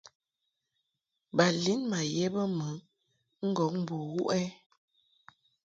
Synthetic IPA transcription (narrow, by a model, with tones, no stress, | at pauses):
ba˨li˨˦nma˨jɛ˦bə˦mə˨˦ | ŋ̩˦ɡɔ˨˦k̚m̩˦bu˨wu˦ʔɛ˦